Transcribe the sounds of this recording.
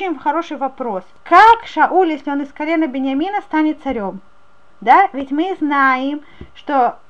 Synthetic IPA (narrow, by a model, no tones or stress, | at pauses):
ɪnʲxɐɾo̞ʂɨjvɐpɾo̞skakʂɐʔulʲjesʲlʲɪo̞nɨskɐlʲenəbʲɪnʲjɐmʲinəst̪anʲɪt̪t̪sɐɾʲo̞m | d̪avʲɪtʲmɨznajɪm | ʂt̪o̞